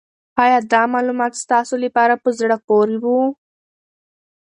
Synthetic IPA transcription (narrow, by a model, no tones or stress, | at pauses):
ɑjɑd̪ɑmɑlumɑt̪st̪ɑsolapɑɾapəzɽəkoɾiwu